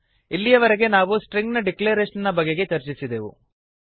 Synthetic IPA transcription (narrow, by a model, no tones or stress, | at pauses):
ilːijɐʋɐɾeɡe̞naːʋusʈɾeŋɡnɐɖikleːɾeːʂɐnnɐbɐɡeɡe̞t͡ʃɐɾt͡ʃisid̪eʋṵ